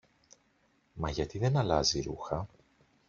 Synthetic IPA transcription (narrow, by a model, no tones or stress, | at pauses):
mɐʝɐt̪iðe̞nɐlɐziɾṵxɐ